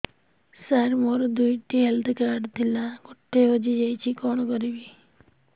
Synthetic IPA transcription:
saɾmoɾd̪ujʈiɦelt̪ʰkaɖt̪ʰilaɡɔʈːeɦod͡ʒid͡ʒajt͡ʃʰikɔɽ̃kɔɾibi

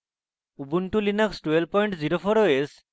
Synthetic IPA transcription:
ubunʈulinəksʈwelpɔjɳʈziɾopʰɔɾoes

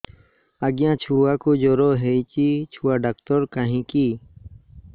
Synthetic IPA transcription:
aɡjãːt͡ɕʰuːaːkuːd͡ʒoːɾoːɦeit͡ɕiːt͡ɕʰuwaːɖaːkt̪oɾkaɦĩːkiː

